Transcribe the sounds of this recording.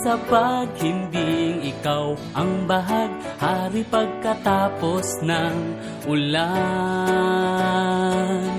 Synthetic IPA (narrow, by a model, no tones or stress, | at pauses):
sɐpaɡ̚hɪnd̪iŋɪkawʔɐŋbaɦaɡ̚ | haːɾipɐɡ̚kɐt̪aːposnaŋ | ʔʊla | n